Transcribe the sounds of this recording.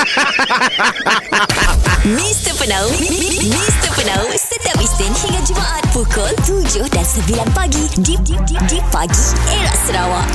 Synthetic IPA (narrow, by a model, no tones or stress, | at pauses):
mĩst̪əpənawmĩst̪əpənawsət̪iapist̪ɪnhiŋãt̪̚d͡ʒumaʔat̪̚pukɔlt̪ud͡ʒʊhdansəbilanpaɡididididipaɡieɾaʔsəɾawaʔ